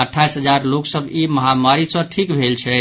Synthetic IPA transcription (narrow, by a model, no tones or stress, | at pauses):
əʈʰːaisɦəd͡ʒaɾloksəbʱiməɦamaɾisə̃ʈʰikbʱelt͡ʃʰɛ